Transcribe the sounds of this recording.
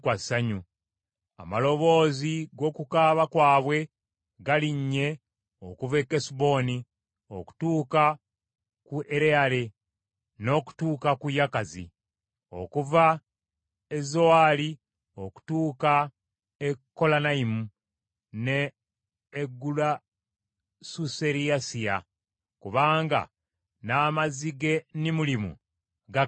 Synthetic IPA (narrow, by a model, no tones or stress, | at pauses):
kwasaɲu | a̰malo̞βo̞ːziɡo̞ːkukaːβakwaːβwe̞ | ɡaliɲːe̞ | okuvekːesubo̞ːni | o̞̰ku̥tuːka | kuʔeɾeale̞ | no̞ːku̥tuːkakujakazḭ | o̞̰kuva | ezo̞ali | o̞ku̥tuːka | ekːo̞lanaimu | neː | ɡːula | suse̞ɾiasia̰ | kuβaːŋɡa̰ | naːmaziɡe̞nimulimṵ | ɡa